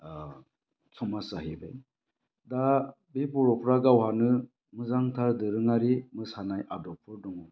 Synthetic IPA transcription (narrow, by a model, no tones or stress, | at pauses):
t͡sʰɔmasaɦibaj | da | bepɔɾɔpʰɾaɡawhanɯ | mɯzaŋtʰadɯɾɯŋaɾimɯsanajʔadɔpʰːɯɾdɔŋɔ